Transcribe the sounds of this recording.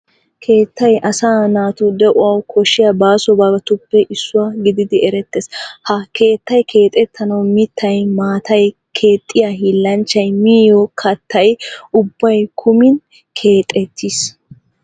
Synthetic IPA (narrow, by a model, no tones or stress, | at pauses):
kʰe̞ːt̪ːɐjʔɐsaːnaːt̪ud̪ɛʔʊwɐwkʰɔʃɪjɐbaːsɔbaːɡɐt̪ʊpːɛʔɪsːʊwaɡɪd̪ɪd̪ɪɛɾɛt̪ːeshɐke̞ːt̪ːɐjkʰe̞ːt̪ʼɛt̪ʰːɐnɐwmɪt̪ʰːɐjmaːt̪ʰɐj | kʰe̞ːt̪ʼːɪjaɦiːlːɐnt͡ʃːɐjmiːjɔkʰɐt̪ːɐjʊbːɐjkʰʊmɪn | kʰeːt̪ʼɛt̪ʰːis